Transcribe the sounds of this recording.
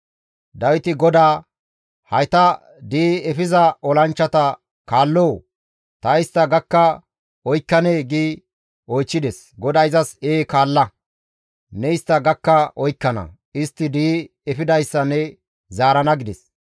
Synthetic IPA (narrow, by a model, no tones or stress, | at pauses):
d̪ɐwɪt̪ɪɡɔd̪aː | hɐjt̪ɐ | d̪iːɛfɪzɐɔlɐnt͡ʃːɐt̪ɐ | kaːlːoː | t̪ɐɪst̪ːɐɡɐkːɐ | ɔjkːɐneːɡiː | ɔjt͡ʃːɪd̪ɛs | ɡɔd̪ɐɪzɐseːkaːlːɐ | nɛɪst̪ːɐɡɐkːɐʔɔjkːɐnɐ̰ | ɪst̪ːɪd̪iː | ɛfɪd̪ɐjsːɐnɛ | zaːɾɐnɐɡɪd̪ɛs